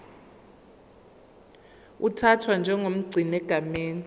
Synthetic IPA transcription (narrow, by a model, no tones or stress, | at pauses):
utʰatʰwand͡ʒʱɛŋom̩ɡ͡ǀʱinɛɡ̥ʱameːn